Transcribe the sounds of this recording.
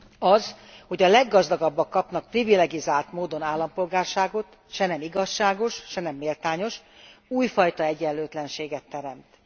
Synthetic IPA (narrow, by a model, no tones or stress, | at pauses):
ɒzho̞ɟɒlɛɡːɒzd̪ɒɡɒbːɒkːɒpn̪ɒk̚privilɛɡizaːlt̪moːd̪o̞naːlːɒmpo̞lɡaːrʃaːɡo̞t̪ | ʃɛnɛmiɡɒʃːaːɡo̞ʃʃɛnɛmːeːlt̪aːɲo̞ʃ | uːjfɒjt̪ɒɛɟɛlːøːt̪lɛnʃeːɡɛt̪ːɛɾɛmt̪